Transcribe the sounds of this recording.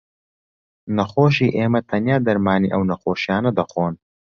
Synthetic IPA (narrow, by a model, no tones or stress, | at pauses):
nɐxoːʃ̬iːʔeːmɐt̪ʰɐnjaːd̪ɐɾmaːnḭːʔɐwnɐxoːʃijaːnɐd̪ɐxoːn